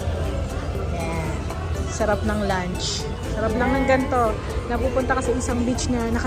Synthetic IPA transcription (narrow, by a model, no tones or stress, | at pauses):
a | sɐɾap̚nɐŋlant͡ʃ | sɐɾap̚lɐŋnɐŋɡɐnt̪o̞ | nɐpupʊnt̪ɐkɐsɐʔɪsaŋbɪt͡ʃnɐnɐkɐ